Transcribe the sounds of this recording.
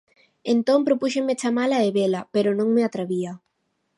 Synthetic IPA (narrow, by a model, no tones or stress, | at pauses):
ent̪ompɾopuʃemet͡ʃamalaeβelapeɾonõŋmeat̪ɾaβia